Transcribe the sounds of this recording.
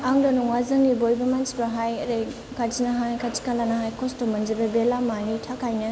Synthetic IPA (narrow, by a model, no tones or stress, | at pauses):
aŋdɔnuŋwazɐŋnibojbɐmansbɐɦajɐɾej | kʰat͡ʃinɐɦajkʰat͡ʃi̥kalanɐɦajkʰɔstɔmːɐnd͡ʒɐbɐbelamanitʰakʰajnɐ